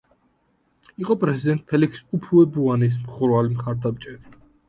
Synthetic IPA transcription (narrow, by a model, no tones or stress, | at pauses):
iqʼɔpʼɾɛzid̪ɛnt̪̚ʼpʰɛlikʰsupʰuɛbuanis̬mχuɾvalimχaɾd̪amt͡ʃʼɛɾi